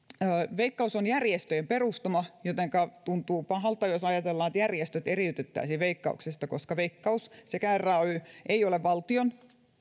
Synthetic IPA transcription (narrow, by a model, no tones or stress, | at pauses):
ʋeikːɑusonjærjest̪øjemperust̪ɑmɑjot̪eŋkɑt̪unt̪uːpɑhɑlt̪ɑjosɑjɑt̪elːɑːet̪jærjest̪øt̪eriyt̪et̪ːæ̰ːsiʋeikːɑ̰uksest̪ɑkoskɑʋeikːɑussekærːɑyʔeioleʋʋɑlt̪ion